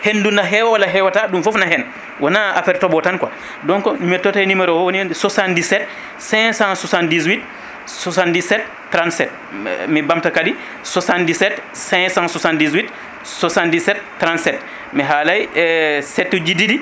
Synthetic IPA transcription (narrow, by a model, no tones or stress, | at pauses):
hendunaɦɛwawalaɦɛwataɗumfɔfnaɦɛn | wɔnaa̰pɛɾtɔbɔtankwa̰ | dɔŋkɔmɛtːɔtajnimɛɾɔwwoniondɛsɔsandisɛt | sɛ̃sãnsɔsandizwit | sɔsandisɛtːɾãntsɛt̚ | mibamtakadi | sɔsandisɛtsɛ̃ŋsãnsɔsandizwit | sɔsandisɛtːɾãntsɛt | mɛɦalajsɛtːud͡ʒididi